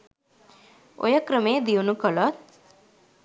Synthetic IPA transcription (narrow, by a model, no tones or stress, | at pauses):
ʔo̰jəkɾəmeːd̪iunukəlʋat̪̚